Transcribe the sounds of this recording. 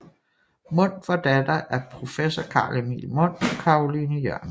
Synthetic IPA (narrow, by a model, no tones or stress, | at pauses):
mɔ̽n̰fɒd̥æd̥ɐʔæɐpʰʁo̝fesɒkʰɑ̈ːlemḭlmɔ̽n̰ɒkʰɑ̈ʁolinəjœɐ̰n